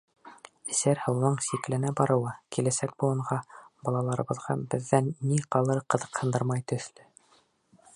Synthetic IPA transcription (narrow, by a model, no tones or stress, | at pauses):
ɘ̆sæɾhɤ̆wnɤɴsiklɘ̆næbɑɾɤ̆wɤkilæsæk̚bulˠɤ̆ɴʁɑbɑlˠɑlˠɑɾɤ̆βɤ̆ðʁɑbɘ̆ðːænːiqɑlˠɤɾqɤ̆ðɤ̥̆qhɤ̆nd̪ɤɾmɑjt̪ɵ̆θlɘ